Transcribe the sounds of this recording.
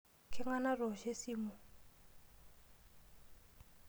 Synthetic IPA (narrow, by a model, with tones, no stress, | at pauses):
kʰɛ˦ŋa˦na˦rɔ˨ʃe˦si˦˨mu˨